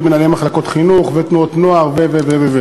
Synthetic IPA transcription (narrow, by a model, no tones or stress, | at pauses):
menalemaχlako̞t̪χinuχvet̪nuot̪noaʁveveveveve